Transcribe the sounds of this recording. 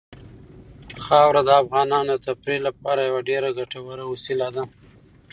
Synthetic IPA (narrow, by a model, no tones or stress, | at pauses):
xɑwɾad̪əafɣɑnɑnod̪ət̪apɾilapɑɾajawaɖeɾaɡaʈawaɾawʊsilad̪a